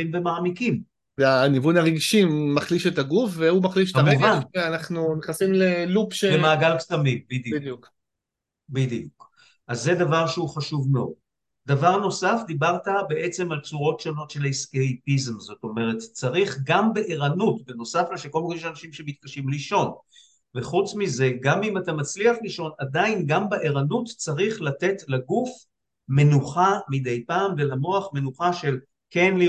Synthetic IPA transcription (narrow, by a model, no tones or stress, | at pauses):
imvemaːmikim | anivunaʁeɡʃimːaχliʃetaɡufveumaχliʃkamuvaneanaχnuniχnasimlelupʃebemaːɡalksamibid̪ijidjuk | bid̪ijuk | ʔazːe̞davaʁʃeuχaʃuvmeo̰d | davaʁno̞safd̪ibaʁtabeʔet͡se̞malt͡suʁo̞tʃo̞no̞tʃe̞liskejpizmzo̞to̞me̞ʁe̞tt͡saʁiχɡambeʔeʁanutbeno̞saflaʃeko̞lmikojeʃanaʃimʃemit̚kaʃimliʃo̞n | veχut͡smize̞ɡamimatamat͡sliaχliʃo̞nadainɡambaʔeʁanutt͡saʁiχlate̞tlaɡuf | me̞nuχamid̪e̞jpaːmve̞lamo̞aχme̞nuχaʃe̞l | ke̞nli